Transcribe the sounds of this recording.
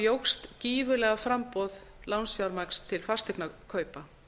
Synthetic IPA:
jowxst̪ciːvʏlɛɣafɾampɔð | lawnsfjawɾmakst̪ʰːɪlfast̪ɛknakʰœːɥpa

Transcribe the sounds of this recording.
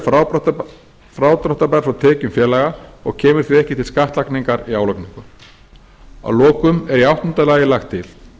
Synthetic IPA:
fa | fɾawt̪ɾɔht̪apaɾ̥fɾawt̪ʰɛːcʏmfjɛːlajɣaɔɣcʰɛːmʏɾ̥θiɛhcɪt̪ʰɪlskaht̪lakniŋkaɾiaːwlakniŋkʏm | a̰wlɔːkʏmɛɾiawht̪ɔnt̪alaːjɪlaxt̪ʰːɪl

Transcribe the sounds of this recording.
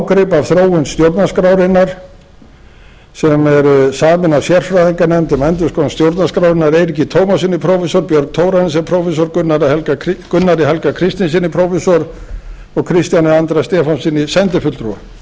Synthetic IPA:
wkɾɪpavθɾoːwʏnst̪jowɾt̪naskɾawɾɪnːaɾ̥ | sɛmɛɾsaːmɪnasjɛr̥fɾaðiŋkanɛmt̪ɪmɛnt̪̬ʏskɔnst̪jowɾt̪naskɾawɾɪnaɾejɾɪcːɪt̪ʰoːwmasɪnːɪpʰɾowfɛsɔɾpjœɾk̚t̪ʰoːwɾans̬ɛmpʰɾowfɛs̬ɔɾkʏnːaɾihɛlkakkʏnːaɾiɦɛlkakʰɾɪst̪ɪns̬ɪnːɪpʰɾowfɛsɔɾ | ɔɣkʰɾɪst̪janɪant̪ɾast̪ɛːfɔnsɪnːɪsɛnt̪ɪfʏt̪lt̪ɾua̰

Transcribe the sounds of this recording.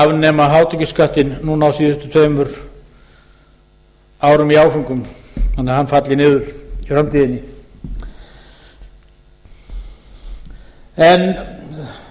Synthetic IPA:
avnɛːmaɦaːwt̪ɛcɪskaht̪ɪnːunaːawsiːðst̪ʏ̥t̪ʰveːjmʏɾ | aːwɾʏmiaːwfʏŋkʏm | θanːɛɾhanːfat̪lɪnɪːðʏɾ̥ifɾamt̪ʰiːðɪnːɪ | ɛn

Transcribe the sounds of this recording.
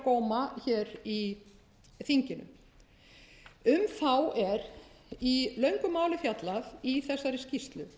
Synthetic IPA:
kɔːwmaçɛːɾi | θiɲcɪnʏ̰m | ʏmθawɛɾ | ilœɥŋkʏmaːwlɪfjat̪laðiθɛsːaɾɪscist̪lʏ̰

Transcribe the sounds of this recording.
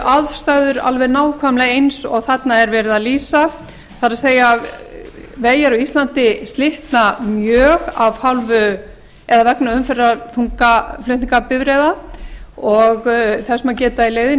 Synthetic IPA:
ʔaðvst̪aɣðʏɾa̰lvɛɾnaːwkʰvamlaɣejnsɔ̰ɣθat̪naɛɾvɛːɾɪðaðliːsa | θaɾaðseːja | veːjaɾɔist̪lant̪ɪst̪lɪht̪namjœːɣavhawlvʏ | ɛðavɛknaʏmfɛraθuŋkaflœht̪niŋkapɪvɾeða | ɔɣθɛsmacɛːt̪aileːjðɪ

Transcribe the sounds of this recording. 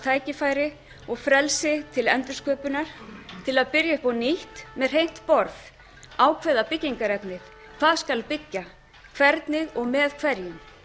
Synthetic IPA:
t̪ʰaːjcɪfaːjɾɪ | ɔɣfɾɛlsɪt̪ʰɪlɛnt̪ɾʏ̥skʰœːpʏnaɾ̥t̪ʰɪlaðpɪɾjaɪhpɔniht̪mɛð̥rɦejn̥t̪pɔɾθ | aːwkʰvɛːðapɪcːiŋkaɾɛt̪nɪθ | kʰvaðskalpɪcːa | kʰvɛɾt̪nɪðɔɣmɛðkʰvɛɾjɪm

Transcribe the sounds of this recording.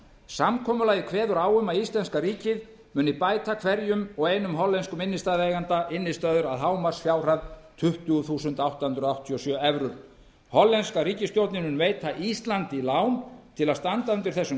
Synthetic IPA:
samkʰɔːmʏlaːjɣɪkʰvɛːðʏɾaːwʏmaðist̪lɛnskaɾiːcɪð | mʏːnipaːjt̪akʰvɛɾjʏmɔɣeːjnʏmɦɔlːɛnskʏmɪnːɪst̪aːðɛːɣant̪aʔɪnːɪst̪œðʏɾaðɦaːwmasfjaːwr̥aðt̪ʰʏht̪ʏɣθuːsʏnt̪awt̪ahʏnt̪ɾɔawht̪ʰːiɔsjœːɛvɾʏɾ̥ | hɔlːɛnskaɾiːcɪst̪jowt̪nɪmʏnveːjt̪ʰaʔist̪lant̪ɪilawnt̪ʰɪlaðst̪ant̪aʏnt̪ɪɾ̥θɛsːʏ

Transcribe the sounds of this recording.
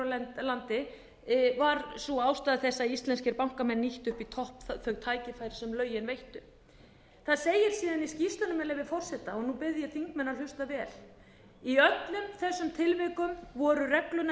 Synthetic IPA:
lɛlant̪ɪ | vaɾsuaːwst̪aːðɪθɛsːaist̪lɛnscɪɾpawŋ̥kamɛnːiht̪ʏhpit̪ʰɔhpθœɣt̪ʰaːjcɪfajɾɪ̥sɛmlœːɥjɪnvejht̪ʏ | θaðsejɪɾ̥siːðaniscist̪ʏnʏmɛlɛvɪfɔr̥sɛht̪aɔɣnupɪðjɪθiŋkmɛnːal̥ʏst̪avɛːl | iœt̪lʏmθɛsːʏmt̪ʰɪlvɪkʏmvɔːɾʏrɛklʏn

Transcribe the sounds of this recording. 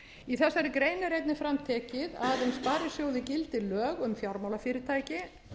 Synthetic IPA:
iθɛsːaɾɪkɾeːjnɪɾejt̪nɪfɾamt̪ʰɛːcɪðaðʏmspaːɾɪsjoːwðɪcɪlt̪ɪlœːɣʏmfjawɾmaːwlafɪːɾɪɾt̪ʰaːjcɪ

